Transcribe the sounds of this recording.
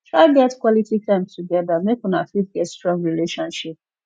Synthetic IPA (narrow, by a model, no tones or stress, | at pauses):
tʰɹaɪɡɛtkwɔlititʰãɪ̃mstʰuɡɛðamekwɔ̃na̰fidɡɛtstɹɔ̃ŋɡɹileʃɔ̃nʃip̚